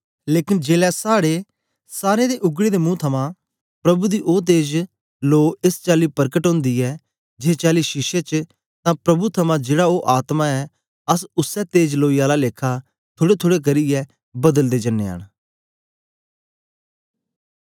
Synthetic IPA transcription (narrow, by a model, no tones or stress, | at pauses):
leːkɪnd͡ʒeːlɛsaːɽe | saːɾed̪eʔʊɡɽed̪emũːt̪ʰɐmã | pɾɐbud̪iʔoːt̪̬eːd͡ʒ | loːɪst͡ʃaːlipəɾkəʈɦõːnd̪iɛː | d͡ʒeːt͡ʃaːliʃɪʃet͡ʃ | t̪ãpɾɐbut̪ʰɐmãd͡ʒeːɽaoːʔaːt̪mãɛː | ɐs̬ʊsɛt̪eːd͡ʒloːiaːlaleːkʰa | t̪ʰʊːɽet̪ʰoːɽek̬ɐɾiɛː | bɐd̪əld̪eːd͡ʒɐnːḛa̰ːɽ̃